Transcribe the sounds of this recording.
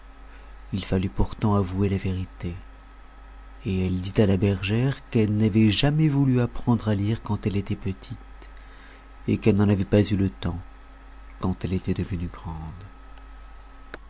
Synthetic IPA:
ilfalypuʁt̪ɑ̃avuelaveʁit̪e | eɛld̪it̪alabɛʁʒɛʁkɛlnavɛʒamɛvulyapχɑ̃d̪ʁaliʁkɑ̃t̪ɛlet̪ɛpət̪ʰit̪ | ekɛlnɑ̃navɛpazylət̪ɑ̃ | kɑ̃t̪ɛlet̪ɛd̪əvənyɡʁɑ̃d̪

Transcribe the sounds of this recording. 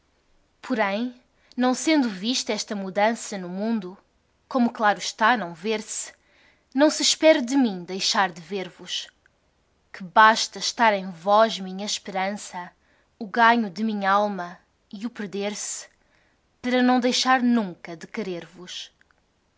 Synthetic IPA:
pʰɔɾɐ̃j̃ | nɐ̃w̃sẽnd̪uviʃt̪ɛʃt̪ɐmuðɐ̃sɐnumũnd̪u | komuklˠaɾuʃt̪anɐ̃w̃veɾs | nɐ̃w̃sɨʃpɛɾud̪ɨmĩd̪ɐjʃaɾd̪ɨveɾvuʃ | kɨβaʃt̪ɐʃt̪aɾẽj̃vɔʒmĩɲɐʃpɨɾɐ̃sɐ | uɣaɲud̪ɨmĩɲɐalˠmɐ | iupɨɾðeɾs | pɐɾɐnɐ̃w̃d̪ɐjʃaɾnũŋkɐðɨkɨɾeɾvuʃ

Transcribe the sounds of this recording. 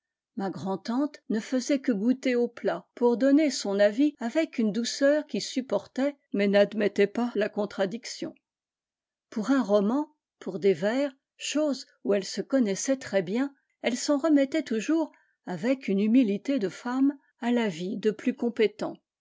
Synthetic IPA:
maɡʁɑ̃t̪ɑ̃t̪nəfəzɛkəɡut̪eoplapuʁd̪ɔnesɔ̃naviavɛkynd̪usœʁkʲisypɔʁt̪ɛ | mɛnad̪mɛt̪ɛpalakɔ̃t̪χad̪iksjɔ̰̃ | puʁɛ̃ʁɔmɑ̃ | pʰuʁd̪evɛːʁ | ʃoz | uɛlsəkɔnɛsɛt̪χɛbjɛ̃ | ɛlsɑ̃ʁəmɛt̪ɛt̪uʒuʁ | avɛkynymilit̪ed̪əfam | alavid̪əplykɔ̃pet̪ɑ̃

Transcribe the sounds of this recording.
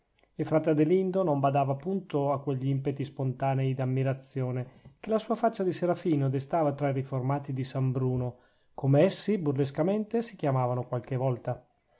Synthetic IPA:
efɾat̪ːad̪elind̪onombad̪aːvapːunt̪oakːweʎːiimpet̪ispont̪aːnɛid̪amːiɾat̪sːjoːnek̟elasuːafat͡ʃːad̪iseɾafiːnod̪est̪aːvat̪ɾaiɾiformaːt̪id̪isambɾuːno | komeɛsːiburles̬kament̪esik̟jamaːvanokwalkevɔlt̪a

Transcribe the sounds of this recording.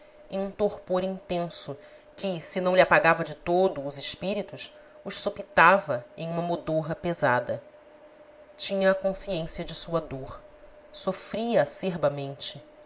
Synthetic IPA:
ẽj̃ũt̪oɾpoɾĩnt̪ẽsʊ | kʰɪsɪnɐ̃lɪapaɡavɐd͡ʒɪt̪od̪ʊːzɪʃpiɾit̪ʊʃ | ʊʃsopit̪avɐẽj̃ũmɐmod̪oɦɐpezad̪ɐ | t͡ʃĩɲɐːkõsiẽsiɐd͡ʒɪsuɐd̪oχ | sofɾiɐseɾbɐmẽnt͡ʃɪ

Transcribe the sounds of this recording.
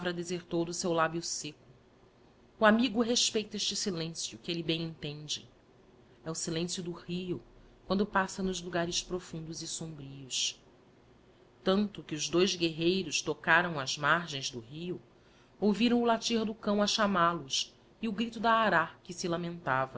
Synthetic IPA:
avɾɐd̪ezeɾt̪owd̪ʊsewlabjʊsekʊː | amiɡʊɦeʃpejt̪ɐeʃt͡ʃɪsilẽsjʊkelɪbẽj̃ẽnt̪ẽnd͡ʒɪ | ɛʊsilẽsjʊd̪ʊhiʊ | kwɐ̃nd̪ʊpasɐnʊzluɡaɾɪspɾofũnd̪ʊzɪsõmbɾiʊs | t̪ɐ̃nt̪ʊkɪʊzd̪ojzɡeɦejɾʊʃt̪okaɾɐ̃w̃ɐzmaɾʒẽj̃zd̪ʊɦijʊ | owviɾɐ̃w̃ʊlat͡ʃiɾd̪ʊkɐ̃w̃ɐʃamalʊs | iʊɡɾit̪ʊd̪aːɾakɪsilamẽnt̪avɐ

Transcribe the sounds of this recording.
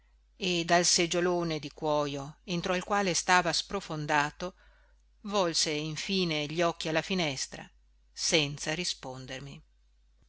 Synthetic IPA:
ed̪alsed͡ʒoloːned̪ikwɔːjoent̪ɾoilkwaːlest̪aːvaspɾofond̪aːt̪o | vɔlseiɱfiːneʎiɔkːialːafinɛst̪ɾa̰ | sɛnt̪saɾispond̪ermi

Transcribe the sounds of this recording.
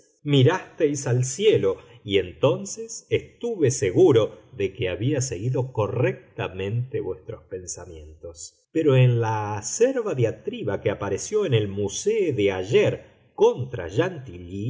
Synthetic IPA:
miɾast̪ejsalsjelo | ie̞nt̪o̞nsesest̪uβeseɣuɾo̞ðekeaβiase̞ɣiðo̞ko̞rek̚t̪amẽ̞nt̪eβwe̞st̪ɾo̞spe̞nsamjẽ̞nt̪o̞s | peɾo̞enlaːseɾβaðeat̪ɾiβakeapaɾesjo̞ene̞lmuseoðeaʒeɾ | kont̪ɾa̰ʒant̪ili

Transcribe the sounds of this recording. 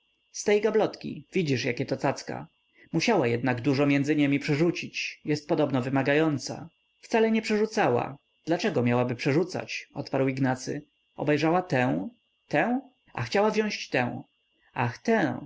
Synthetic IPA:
st̪ɛjɡablɔt̪kʲḭvʲid͡ʑiʂjakʲɛt̪ɔt̪at̪ska̰ | muɕawajɛd̪naɡd̪uʐɔmʲjɛnd̪zɘɲɛmʲipʂɛʐut͡ɕit͡ɕjɛst̪̚pɔd̪ɔbnɔvɘmaɡajɔnt̪sa̰ | ft̪salɛɲɛpʂɛʐut̪sawa̰ | d̪̥lat͡ʂɛɡɔmʲjawabɘpʂɛʐut̪sa̰t͡ɕɔt̪paɾwiɡnat̪sɘ̰ | ɔ̰bɛjʐawat̪ɛ̃w̃ | t̪ɛ̃w̃ | a̰xt͡ɕawavʑɔ̃ɕt͡ɕt̪ɛ̰̃w̃ | axt̪ɛ̃

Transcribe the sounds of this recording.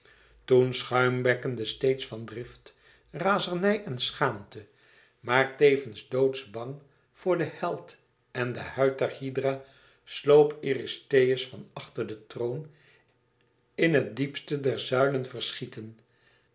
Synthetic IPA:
tunsχœɥmʋɛkəndəstejtsfɑndrɪft | raːzəɹnɛjʔɛnsχaːmtə | maːɹtejvənzdowtsbɑŋ | v̥ʊːɹdəhɛlˠt | ɛndəhœɥt̚dɛɹhidraː | slowpiristejəsfɑnɑχtəɹdətrown | ɪnɦət̚dipstədɛɹzœɥlənvərsχitən

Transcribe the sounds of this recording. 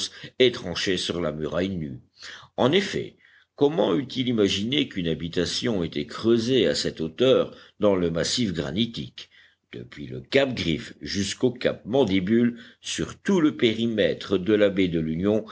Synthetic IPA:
set̪χɑ̃ʃesyʁlamyʁajny | ɑ̃nefɛ̰ | kɔmɑ̃yt̪ilimaʒinekynabit̪asjɔ̃et̪ɛkχøzeasɛt̪ot̪œʁd̪ɑ̃ləmasifɡʁa̰nit̪ḭk | d̪̥ə̰pɥiləkap̚ɡʁifʒyskoka̰p̚mɑ̃d̪ebylsyʁt̪uləpeʁimɛt̪χəd̪əlabed̪əlynjɔ̃

